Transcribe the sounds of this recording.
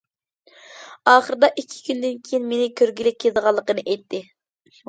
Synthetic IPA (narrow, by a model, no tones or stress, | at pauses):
ɑːχəɾɨd̪ɑʔikʲʰːi̥kʲʰynd̪ɪnkʲʰejinmenɪkʲʰøɾɡʲilɪk̚ʲʰːezəʁɑlˠːəqənɨʔɛjt̪ʰːɪ